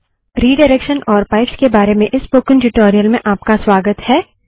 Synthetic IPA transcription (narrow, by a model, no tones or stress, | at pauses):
ɾiːɖɐɾekʃənʔɔːɾpaːɪpskebaːɾemẽʔɪspoːkɪ̃nʈɪʈoːɾijəlmẽʔaːpkaswaːɡət̪hɛː